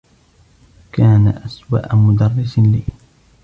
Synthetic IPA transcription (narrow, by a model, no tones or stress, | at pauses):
kaːnaʔaswa̰ːʔamʊd̪ɑrˤːɪsliː